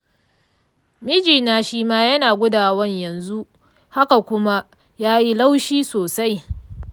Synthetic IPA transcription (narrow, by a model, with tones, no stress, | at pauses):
mɪ˦d͡ʒiː˨naː˨ʃiː˦maː˦jɐ˦naː˨ɡʷʊ˦daː˨wɐ˦ɲjɐ˨nzu˦ʔ | ha˦ka˨kʷʊ˦ma˦ | jaː˦ji˦la˦wʃiː˦soː˨sa˦j